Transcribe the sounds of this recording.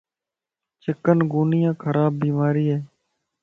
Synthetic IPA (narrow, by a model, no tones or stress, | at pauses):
t͡ʃɪkənɡuːnɪjãːkʰəɾaːbːiːmaːɾiːɦeː